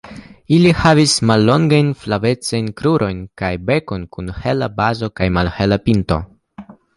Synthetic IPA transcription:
ilihavismalːo̞ŋɡajnflave̞t͡sajnkɾuɾʔo̞jnkajbe̞ko̞nkunhe̞labazo̞kajmalhelapinto̞̰

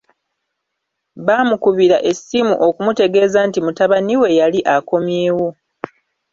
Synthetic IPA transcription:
βaːmukuβiɾaʔe̞sːimuʔo̞kumute̞ɡe̞ːzaːntimutaβaniwe̞jaliʔako̞mje̞ːwo̞

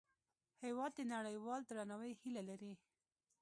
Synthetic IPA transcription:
hewɑd̪ːənaɽəjwɑld̪ɾanawəjhilalaɾi

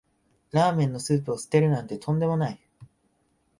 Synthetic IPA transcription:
ɾaːmẽ̞nːo̞sɨːp̬ɯ̟osɨ̥t̪e̞ɾɯ̟nãnt̪e̞t̪ʰõ̞nd̪e̞mo̞nai

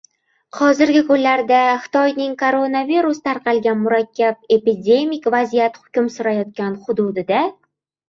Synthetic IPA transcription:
hɒzɪɾɡʲɪkʊnlaɾd̪aχɪ̥t̪ʰɒjnɪŋkʰoɾo̞naviɾust̪ʰaɾqʰɑlˠɡʲanmʊɾakʲʰːap̚e̞pid̪ʲe̞mikʲvazijat̪hʊ̥kʲʊmsʊɾajɒt̪̚kʲanχʊd̪ʊd̪ɪd̪a

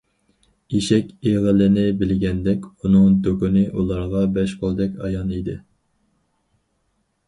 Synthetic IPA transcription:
iʃɛkʲeʁəlɪnɪbɪlɡʲɛnd̪ɛkʲunɨŋd̪økynɪʔulˠɑɾʁɑbɛʃqʰolˠd̪ɛkʲɑ̰jɑnid̪ɪ

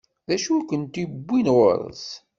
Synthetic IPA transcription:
ðæʃuækʷənt̪ibːinʁo̰ɾˤə̰s

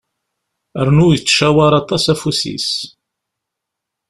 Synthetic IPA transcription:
əɾnujət͡sːʃæwaɾˤɑt̪ˤɑsæfusḭs

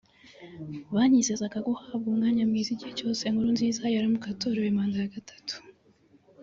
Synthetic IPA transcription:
βaːɲize̞zaɡako̞haːb̚ɡuːŋɡaːɲamɡiːziɟiheco̞ːse̞ŋuɾunziːzajaɾamukatoːɾewemaːndajaɡatʰḁtu̥

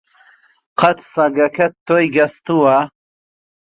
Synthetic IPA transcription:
qʰɐt̪ʰsɐɡɐkʰɐt̪ːojɡɐst̪uwɐ

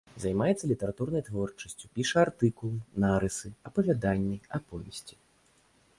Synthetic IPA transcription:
zajmajɛt̪sːɐlʲit̪ɛɾat̪urnɐjt̪vɔrt͡ʂɐ̥sʲt͡sʲupʲiʂɐart̪ɨkulˠnaɾɨsɨɐpɐvʲad̪anʲːiɐpɔvʲɛsʲt͡sʲi̥

